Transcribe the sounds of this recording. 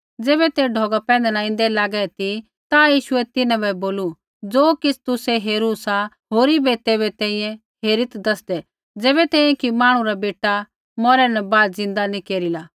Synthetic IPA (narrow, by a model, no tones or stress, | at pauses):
d͡zɛːβɛt̪eɖʱɔːɡapɛ̃ːnd̪ɛnãɪ̃nd̪ɛlaːɡɛt̪i | t̪ajiːʃʊɛt̪ɪnãbɛboːlu | d͡zoːkɪt͡sʰt̪ʊsɛɦeːɾusa | ɦoːɾibɛt̪eːβɛt̪ɛ̃ːĩjɛ̃ | ɦeːɾɪt̪d̪ɐsd̪ɛ | d͡zɛːβɛt̪ɛ̃ːijɛ̃kimaːɽ̃ũɾabeːʈːa | mɔːɾɛnɛbaːd̪zɪ̃nd̪anĩkeːɾilaː